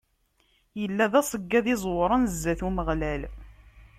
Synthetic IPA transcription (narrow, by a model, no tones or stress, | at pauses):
jəlːæðæsˤəɡːæðizˤwɾˤənzːæθuməʁlæl